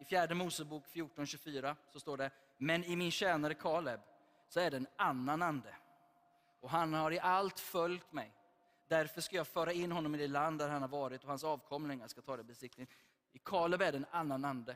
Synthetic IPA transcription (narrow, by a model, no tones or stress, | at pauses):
ɪfjæːɖəmuːsəbuːkfjuːʈɔnɕɵfyːɾasɔst̪oːɖɛ | mɛnɪmɪnɕɛːnaɾəkʰɑːlɛb | sɔæɖɛːnanːanand̪ə | ʔɔɦanhaɾɪʔalt̪fœljt̪mɛj | d̪æɾfœʂkajɑːɡfœːɾaɪnːɦɔnːɔmɪd̪ɛland̪ːæɾhanhaɾvɑːɾɪt̪ɔhansɑːvkʰɔmlɪŋaʂkat̪ʰɑːd̪ɛbɛsɪk̚t̪ɪ | ɪkʰɑːlɛbæɖɛnanːanand̪ə